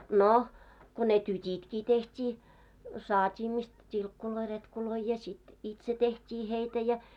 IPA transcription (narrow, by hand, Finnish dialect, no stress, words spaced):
no ko ne tytʲitkiː tehtʲiː sɑːtʲiː mist tʲilkːuloi retkuloi jɑ sit itse tehtʲiː heitæ jɑ